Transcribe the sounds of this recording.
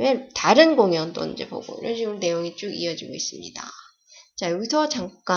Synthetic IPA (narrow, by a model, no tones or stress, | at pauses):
wetaɾɯnɡoŋjʌnd͈o̰ḭnd͡ʑe̞po̰ɡo̰iɾʌnɕʰiɡɯmne̞joŋit͡ɕ͈uɡḭʌd͡ʑiɡois͈ɯmɲida̰ | t͡ɕajuisʰʌt͡ɕaŋk͈a